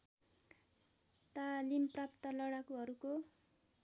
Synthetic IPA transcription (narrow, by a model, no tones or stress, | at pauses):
t̪alimprapt̪ʌlʌɽakuɦʌɾuko